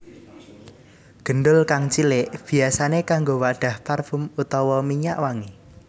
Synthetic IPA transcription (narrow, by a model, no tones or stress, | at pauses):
ɡ̥ə̤ɳɖʊlkaŋt͡ʃilɪʔb̥i̤asanekaŋɡowaɖ̥a̤hparfumut̪ɔwɔmiɲaʔwaŋe